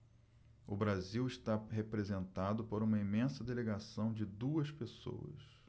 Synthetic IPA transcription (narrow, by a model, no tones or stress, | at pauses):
ʊbɾaziwɪʃt̪aɦepɾezẽnt̪ad̪ʊpoɾũmɐimẽsɐd̪eleɡasɐ̃w̃d͡ʒɪd̪uɐspeso̰wɐ̰s